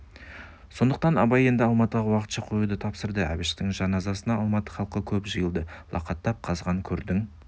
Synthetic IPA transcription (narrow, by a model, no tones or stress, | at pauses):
so̞nd̪əq̚t̪ɑnɑbɑje̞nd̪ɪɑlˠmɑt̪əʁɑwɑqət̪ʃɑqʰojud̪ət̪ʰɑpsəɾd̪əæ̰bɪʃt̪ɪŋʒɑnɑzɑsənɑɑlˠmɑt̪ə̥χɑlˠqəkʲʰɵpʒəjəlˠd̪əlˠʔɑ̰qɑt̪ːɑp̚qʰɑzʁɑŋkʲʰɵɾd̪ɪŋ